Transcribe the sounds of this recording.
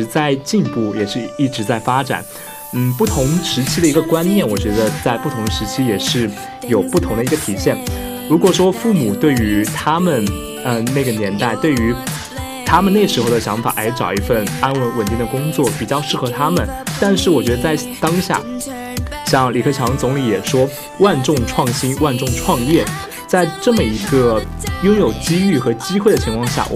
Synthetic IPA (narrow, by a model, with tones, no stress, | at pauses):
t͡sa˥˧ɪt͡ɕi˥˧npu˥˩jɛ˨˩ʂɻ̩˥˧i˥˩ʈ͡ʂɻ̩˧˥t͡sa˥˩ɪfa˥ʈ͡ʂa̰˨˩˦n | n̩˥˩pu˥˩t̪ʰʊ˧˥ŋʂɻ̩˧˥t͡ɕʰi˥d̪ə˨i˧˥ɡə˧kwa˥nnjɛ˥˩nwɔ˨˩t͡ɕɥɛ˧˥d̪ə˧t͡sa˥˧ɪpu˥˩t̪ʰʊ˧˥ŋʂɻ̩˧˥t͡ɕʰi˥jɛ˨˩ʂɻ̩˥˩ | jo˨˩ʊpu˥˩t̪ʰʊ˧˥ŋd̪ə˧i˧˥ɡə˧t̪ʰi˨˩ɕjɛ˥˩n | ɻu˧˥kwɔ˨˩ʂwɔ˥fu˥˩mu˨˩t̪we˥˩ɪy˧˥t̪ʰa˥mə˨n | ə˧na˥˩ɡə˩njɛ˧˥nt̪a˥˧ɪt̪we˥˩ɪy˧˥ | t̪ʰa˥mə˨ne˥˩ʂɻ̩˧˥xo˥˩ʊd̪ə˩ɕjɑ˧˥ŋfa̰˨˩ʔa˧˥ɪʈ͡ʂɑ˨˩ʊi˧˥fə˥˩na˥nwə˧˥˩nwə˨˩nt̪i˥˩ŋd̪ə˩kʊ˥ŋt͡swɔ˥˩pi˨˩t͡ɕjɑ˥˧ʊʂɻ̩˥˩xɤ˧˥t̪ʰa˥mə˨nt̪a˥˧nʂɻ̩˥˩wɔ˨˩t͡ɕɥɛ˧˥d̪ə˧t͡sa˥˩ɪ | t̪ɑ˥ŋɕja̰˥˩ | ɕjɑ˥˧ŋli˨˩kʰɤ˥˩t͡ɕʰjɑ˧˥ŋt͡sʊ˧˥ŋli˧˥jɛ˨˩ʂwɔ˥ | wa˥˧nʈ͡ʂʊ˥˧ŋʈ͡ʂʰwɑ˥˩ŋɕi˥nwa˥˧nʈ͡ʂʊ˥˧ŋʈ͡ʂʰwɑ˥˧ŋjɛ˥˩ | t͡sa˥˧ɪʈ͡ʂɤ˥˩mə˩i˧˥ɡə˧ | jʊ˥ŋjo˨˩ʊt͡ɕi˥y˥˩xɤ˧˥t͡ɕi˥xwe˥˩ɪd̪ə˩t͡ɕʰi˧˥ŋkʰwɑ˥˧ŋɕja̰˥˩